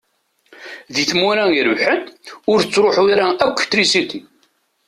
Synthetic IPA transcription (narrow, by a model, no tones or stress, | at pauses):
ðiθmuɾæəɾvħənʊɾt͡sːɾʊħuɾaækʷːt̪ːɾisit̪i